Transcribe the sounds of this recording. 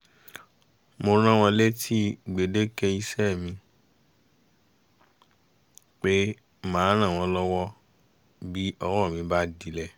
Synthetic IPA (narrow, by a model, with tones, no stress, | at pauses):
mo˧ɾ̃ã˦w̃ɔ̃˧le˦tʰi˦ɡ͡be˨de˦kɛ˧i˧˦sɛ˦˨mĩ˧ | k͡pe˦ | mãː˨˦ɾ̃ã˦˨w̃ɔ̃˧˦lɔ˦wɔ˦ | bi˦ɔ˧wɔ˦˨mĩ˨˧˦ba˦di˨˦lɛ˦˨